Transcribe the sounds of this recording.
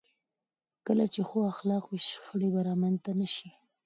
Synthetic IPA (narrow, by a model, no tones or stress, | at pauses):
kəlat͡ʃexoaxlɑqwiʃxəɽibaɾɑmant̪anaʃi